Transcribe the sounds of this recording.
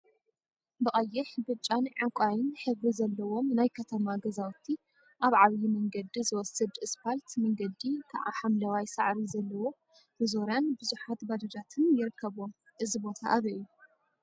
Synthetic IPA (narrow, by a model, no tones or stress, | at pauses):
bɨχʼɐjːɪħbɨt͡ʃʼːanʕaŋkʷʼajɪnħɨβɾizɐlːɐwomnajkʰɐt̪ʰɐmaɡɐzawt̪ʰi | ʔaβʕaβjimɐŋɡɐd̪izɨwɔsɐd̪ɨspʰalt̪mɐŋɡɐd̪ikʰaʕa̰ħamlɐwajsaʕɾizɐlːɐwo̞ | bɨzo̞ɾjanbɨzuħat̪bad̪ɐd͡ʒat̪ʰɨnjɪɾɨkʰːɐβom | ʔɨzibo̞t̪ʰaʔːβɐjːu